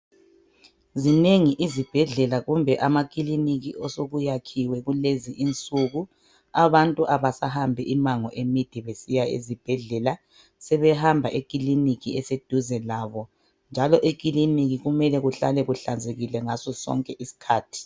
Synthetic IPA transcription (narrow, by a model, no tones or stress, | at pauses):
zineŋiʔizib̥ʱɛɮɛlaɣumbʱɛʔamakʼiliniɣiʔɔsoɣujakʰiwɛɣuleziʔint͡sʼuɣu | aβantʼuʔaβasaɦambʱɛʔimaŋɔ̰ʔemid̥ʱiβesijaḛzib̥ʱɛɮɛla | sɛβɛhambʱaʔekʼiliniɣiɛsed̥ʱuzɛlaːβɔ | nd͡ʒʱalɔʔek̬ʼiliniɣiɣumɛlɛɣuɬalɛɣuɬand͡zʱeɣilɛŋasɔsɔ̰ŋkʼɛʔisi̥kʰaːtʰi̥